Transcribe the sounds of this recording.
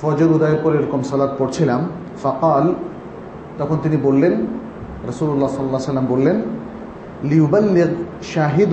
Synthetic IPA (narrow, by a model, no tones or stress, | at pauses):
fɔd͡ʑoɾud̪ajeɾpɔɾeɾɔkomsɔlat̪̚poɽt͡ɕʰilam | faqɑːl | t̪ɔkʰont̪inibolːen | ɾɐsuːlulːasɔlːlːasalːambolːen | lijubalːiʁ | ʃaːɦid̪